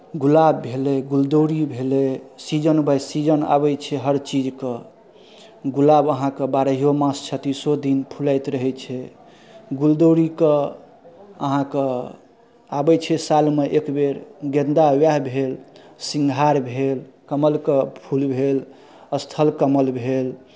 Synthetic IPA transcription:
ɡulabːʱeleɡuld̪oɾibʱelesid͡ʒənbəjsid͡ʒəna̰bɛt͡ʃʰɛɦəɾt͡ʃid͡ʒkə | ɡulabəɦãkəbaɾəɦijomãst͡ʃʰət̪isod̪inpʰulaɪt̪ɾəɦɛt͡ʃʰɛ | ɡuld̪oɾikə | əɦãkə | abɛt͡ʃʰɛsalmeʔekbeɾɡẽnd̪awjaɦbʱelsiŋɡʱaɾbʱelkəməlkəpʰulbʱel | əst̪ʰəlkəməlbʱel

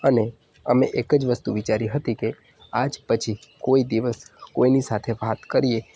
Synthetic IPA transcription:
əne | əmeʔekəd͡ʒʋəst̪uʋit͡ʃaɾiɦət̪ike | ad͡ʒpət͡ʃʰikoid̪iʋəskoinisat̪ʰeʋat̪kəɾie

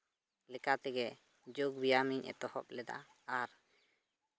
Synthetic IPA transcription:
lɛkat̪ɛɡɛ | d͡ʒoɡ̚bijamiɲɛ̰t̪ɔhɔp̚lɛd̪a̰ | aɾ

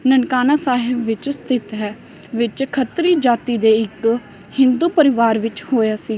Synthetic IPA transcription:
nənkaːnaːsaːɦɪbʋɪt͡ʃst̪ʰɪt̪ɦɛː | ʋɪt͡ʃkʰət̪ɾiːd͡ʒaːt̪iːd̪eːɪk | hɪnd̪uːpəɾɪʋaːɾʋɪt͡ʃhoːjaːsiː

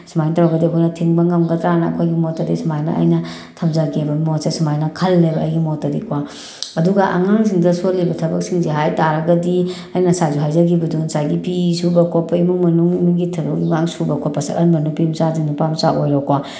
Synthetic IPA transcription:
simajntawɾɐɡɐdikʰojnɐtʰiŋbɐŋɐmɡɐtɾanɐɐ̰kʰojɡimotːɐdisimajnɐ̰ʔɐ̰jnɐ | tʰɐmzɐkebɐmosesimajnɐkʰɐlːejbɐɐ̰jɡimotːɐdḭkwa | ɐduɡɐʔa̰ŋaŋs̬iŋdɐsolibɐtʰɐbɐk̚siŋzeɦajtaɾɐɡɐdi | ɐjnɐsajzuɦajzɐɡibɐdunsajɡipisubɐkʰopːɐimuŋmɐnuŋimiŋɡitʰɐbɐkiŋaŋsubɐkwapɐsɐ̰ɾʔɐnbɐnupimsadinupamsaʔojɾokwa

